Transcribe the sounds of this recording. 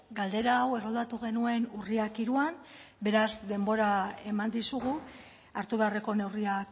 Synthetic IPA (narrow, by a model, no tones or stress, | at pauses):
ɡald̪e̞ɾaːwe̞ro̞ld̪at̪uɣ̞e̞nue̞nuriakiɾuambe̞ɾazd̪e̞mbo̞ɾae̞mand̪isuɣu | aɾt̪uβe̞are̞ko̞ne̞wriak